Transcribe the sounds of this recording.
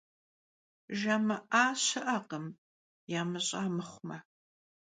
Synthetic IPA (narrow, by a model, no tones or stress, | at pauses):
ʒɐmɐʔaːɕɨʔɐqəm | jaːmɨɕʼaːmɨχʷmɐ